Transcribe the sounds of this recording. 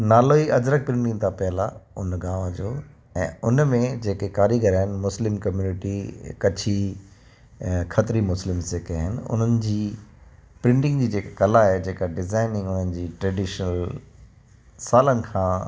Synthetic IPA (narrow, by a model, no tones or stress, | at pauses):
naːloiʔɐd͡ʑɾək̚pɾɪ̃ɳʈɪ̃ŋɡt̪ʰãpɛəlaʊnɡaːʋə̃d͡ʑoː | ɛ̃ːʊnmẽd͡ʑeːkekaːɾiɡʱɐɾaːɦɪnɪ̆mʊslɪmkɐmjuːnɪʈikɐt͡ɕʰi | kʰɐt̪ɾimʊslɪmseːkaɦɪnɪ̆ʊ̰n̤ənɪ̆d͡ʑiː | pɾɪ̃ɳʈɪ̃ŋɡd͡ʑiːd͡ʑeːkakɐlaɦed͡ʑeːkaɖɪzaːɪnɪ̃ŋɡʊnənɪ̆d͡ʑiːʈɾɛːɖɪʃnəl | saːlənɪ̆kʰãː